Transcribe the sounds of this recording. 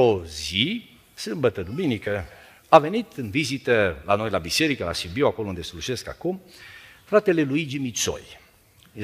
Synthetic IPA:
ozi | sɨmbət̪əd̪uminikə | ave̞nit̪ɨnvizit̪əlanojlabise̞ɾikəla̰ʃibiwako̞lound̪eseluʃe̞ska̰kumfɾat̪e̞le̞luid͡ʒimit̪so̰j

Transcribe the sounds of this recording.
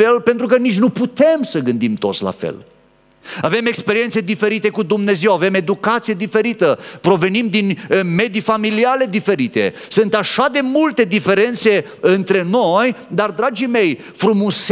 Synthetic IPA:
e̞lpe̞nt̪ɾukənit͡ʃʲnuput̪e̞msəɡɨnd̪imt̪o̞t̪sʲla̰fḛl | ave̞me̞kspe̞ɾie̞nt̪se̞d̪ife̞ɾit̪e̞kud̪umne̞ze̞wave̞me̞d̪ukat̪sijed̪ife̞ɾit̪əpɾo̞ve̞nimd̪inme̞d̪ifamiliale̞d̪ife̞ɾit̪e̞̰ | sɨnt̪aʃad̪e̞mult̪e̞d̪ife̞ɾe̞nt̪se̞ | ɨnt̪ɾe̞no̞jd̪ard̪ɾad͡ʒime̞j | fɾumus

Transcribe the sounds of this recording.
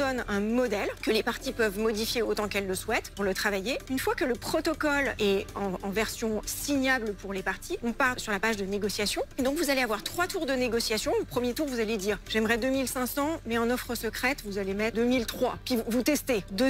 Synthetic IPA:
ɔnɛ̃mɔd̪ɛlkəlepaʁt̪ipœvmɔd̪ifjeot̪ɑ̃kɛlːəswɛt̪puʁlət̪χavajeynfwakələpχɔt̪ɔkɔlɛɑ̃ɑ̃vɛʁsjɔ̃siɲablpuʁlepaʁt̪ʰiɔ̃paʁsyʁlapaʒd̪əneɡɔsjasjɔ̃ed̪ɔ̃kvuzaleavwaʁt̪χwat̪uʁd̪əneɡɔsjasjɔ̃opχəmjet̪uʁvuzaled̪iːʁʒ̥ɛmʁɛd̪ømilsɛ̃sɑ̃mɛɑ̃nɔfχəsəkχɛt̪vuzalemɛt̪d̪ømilt̪χwa̰kʲivut̪ɛst̪ed̪ø

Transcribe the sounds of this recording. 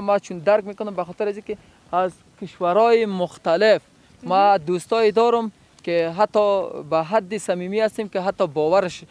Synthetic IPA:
mat͡ʃʰund̪aɾk̚mekʊnʊmbaxɔt̪ɪɾazikɪ | az | kɪʃwaɾɔːjɪmʊxt̪alɪf | mad̪ust̪ɔːed̪ɔɾʊm | keɦat̪ːɔbaɦad̪ːɪsamimiast̪emkeɦat̪ːɔbɔwaɾɪʃ

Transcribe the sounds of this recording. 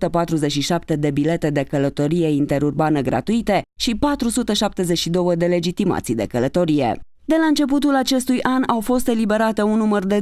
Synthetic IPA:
t̪əpat̪ɾuzet͡ʃʲʃiʃap̚t̪e̞d̪e̞bile̞t̪e̞d̪e̞kələt̪o̞ɾije̞int̪e̞ɾurbanəɡɾa̰t̪uit̪e̞ʃipat̪ɾusut̪əʃap̚t̪e̞ze̞ʃid̪o̞wəd̪e̞le̞d͡ʒit̪ima̰t̪sid̪e̞̰kələt̪o̞ɾije̞̰ | d̪e̞laɨnt͡ʃe̞p̬ut̪ulat͡ʃe̞st̪ujʔanawfo̞st̪e̞libe̞ɾat̪e̞unːumərd̪e̞

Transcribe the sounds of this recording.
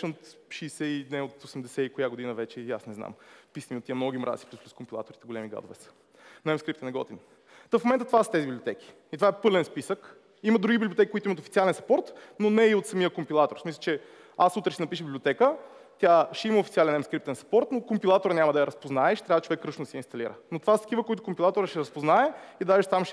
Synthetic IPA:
ʃɛnot̪ʃɛːsɛinɛot̪osɛmd̪ɛsɛikojaɡod̪inəvɛt͡ʃɛia̰snɛzna̰mpisəmiot̪ːiəmnɔɡimɾʔa̰si̥plusplʲuskʊmpilˠa̰t̪oɾit̪ɛɡolɛmiɡa̰d̪o̰vɛ̰sə̥ | nɐɛmskɾipt̪ɛnɛɡɔ̰t̪in | t̪ofmomɛnt̪ət̪ovasə̥t̪ɛzibiblʲiot̪ɛkʲi̥ | it̪ovaɛpɤlɛnspisək | iməd̪ɾuɡʲibiblʲiot̪ɛkikʊit̪ʊimət̪ofitsialɛnsɐpɔɾt̪nonɛiot̪sɐmijəkompilˠat̪oɾsmisˠət͡ʃɛ | asut̪ɾɛʃsɛnɐpiʃ̬əbiblʲiot̪ɛkə | t̪ʲaʃɛiməofitsialɛnɛmskɾip̚t̪ɛnsɐ̥pɔɾt̪nokompilˠat̪oɾnʲamɐd̪ɐjɐɾɐspoznaɛʃɛt̪ɾavət͡ʃovɛkːɾəʃnod̪ɐsɛinst̪ɐlḭɾə̰not̪ovast̪kivəkoit̪ʊkʊmpilˠat̪oɾəʃɛɾɐspoznaɛid̪aʒɛʃt̪amʃ

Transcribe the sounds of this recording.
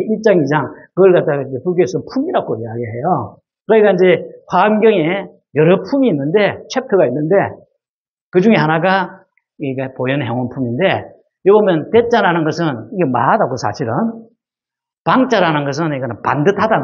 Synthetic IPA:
iɭt͡ɕ͈aŋid͡ʑaŋkɯɡʌɭkat̚t͈aɡaind͡ʑepuɡoesʰʌpʰumiɾaɡoiaɡeɦe̞jo | kɯɾɯɲik͈aind͡ʑe̞ɸwaːmɡjʌŋe | jʌɾʌpʰumiːnːɯnde̞t͡ɕʰwe̞p̚tʰɯɡainːɯnde̞ | kɯd͡ʑuŋe̞hanaɡa | ɡɡepojʌnɦeŋwonpʰuminde̞ | jobomjʌnte̞t͡ɕ͈aɾanɯnɡʌs̬ʰɯniɡemaadaɡosʰa̰ɕʰiɾɯn | paŋt͡ɕ͈aɾanɯnɡʌs̬ʰɯniɡʌnpa̰ndɯtʰada

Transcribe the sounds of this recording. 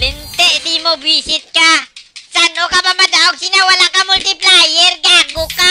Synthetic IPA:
lɛnt̪ɛʔsimobisɪt̪̚kasanokapamad̪aʔoɡ̚sinawalakamʊlt̪ɪplajɛɾɡaɡoka

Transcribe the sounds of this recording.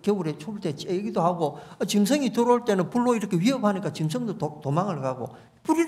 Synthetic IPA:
keuɾet͡ɕʰouɭtet͡ɕeɡidohaɡoat͡ɕimsʰʌŋitɯɾoɭt͈e̞nɯnpuɭːoiɾʌkʰe̞wɥiʌphaɲik͈at͡ɕims̬ʰʌŋdootomaŋɯɭkaɡo̰ | puɾi

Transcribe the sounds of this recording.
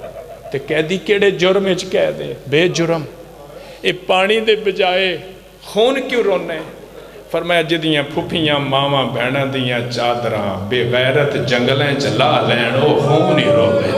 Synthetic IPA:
t̪eːkɛːd̪iːkeːɽeːd͡ʒʊɾmɪt͡ʃkɛːd̪ḛːbeːd͡ʒʊɾəm | eːpaːɽ̃iːd̪eːbəd͡ʒaːeː | xʰoːnkjõːɾoːneː | pʰəɾmːaːd͡ʒɪd̪ɪjãːpʰʊpʰijãːmaːʋãːbʱɛːɳãːd̪ɪiːjãːt͡ʃaːd̪ɾã̰ːbeːɣɛːɾət̪d͡ʒəŋɡlɛ̃ːt͡ʃlaːlɛːɳoːɦũːmnĩːɾoːd̪eː

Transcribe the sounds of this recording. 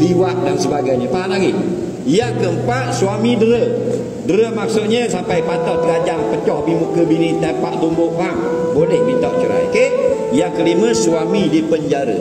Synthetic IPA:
liwaʔ̪̚dansəbaɡajɲəpaɦaʔ̪laɡɪ | ijaŋkəmpaʔsuwamidəɾə | dəɾəmak̚sʊt̪̚ɲəsampajpat̪ɔt̪əɡad͡ʒaŋpət͡ʃɔhbimukəbinit̪apaʔt̪umbʊʔmaŋ | bolɛhmit̪ɔʔt͡ʃəɾa̰joke | ijaŋkəliməswamidipəɲd͡ʒaɾə̰

